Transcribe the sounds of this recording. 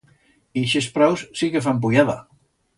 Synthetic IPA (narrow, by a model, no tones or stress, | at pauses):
iʃespɾawssikefamp̬ujaða